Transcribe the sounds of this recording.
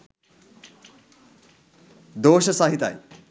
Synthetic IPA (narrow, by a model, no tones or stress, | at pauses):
d̪oːʃəsaɦit̪a̰j